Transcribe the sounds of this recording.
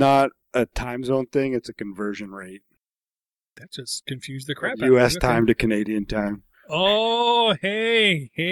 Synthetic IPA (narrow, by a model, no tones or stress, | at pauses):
nəɾ | ʔɨtʰãɪ̃mzõʊ̃nθɪ̃ŋɨtsɨkɨ̃ɱvɜ˞ʒɨ̃nɹeɪt̚ | ðɨt̚d̥ʒ̥ʌskʰɨ̃ɱfjʉzðɨkʰɹ̥æjʉɛstʰãɪ̃mtɨkʰɨneɪɾiɨ̃ntʰãɪ̃m | o | hehe